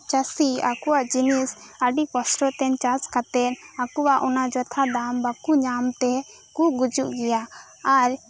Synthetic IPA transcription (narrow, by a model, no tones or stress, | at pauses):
t͡ʃasia̰kuwaʔd͡ʒinisaɖikɔsʈɔt̪ɛnt͡ʃaskat̪ɛnakuwaʔɔnad͡ʒɔt̪ʰad̪ambakuɲamt̪ɛ | kuʔɡud͡ʒuʔɡɛjaː | ɾ